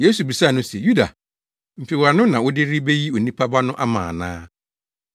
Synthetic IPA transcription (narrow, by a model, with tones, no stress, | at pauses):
je˦su˨bi˨sa˦˨nʊ̃˦se˨ju˦da̰˨ | m̩˨fi˨wa˨nʊ̃˦nã˨wʊ˦dɪ˦ɾi˦be˦ji˦o˨nĩ˦pʰa˦ba˦nʊ̃˦ʔa˦mã̰ː˨nã̰ː˦